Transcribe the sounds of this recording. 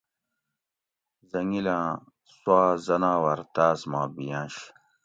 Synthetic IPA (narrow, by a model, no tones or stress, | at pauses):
zɐŋilãː | swaːzɐnãːwɐɾt̪aːzmãːbijãːɕ